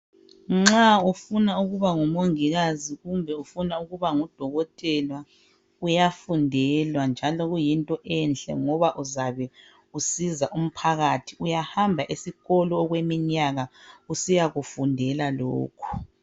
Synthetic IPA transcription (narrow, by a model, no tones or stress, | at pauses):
ŋ͡ǁaufunauɣuβaŋumoŋiɣaziɣumbʱɛufunauɣuβaŋud̥ʱɔɣɔtʼɛlwa | ujafundʱɛlwand͡ʒʱalɔɣujintʼɔʔɛnt͡ɬɛ̰ŋɔβaʔuzaβɛ | usizaʔum̩pʰaɣatʰiujahambʱaʔisiɣɔlɔːɣwemiɲaɣausijaɣufundʱɛlalo̰ːkʰu̥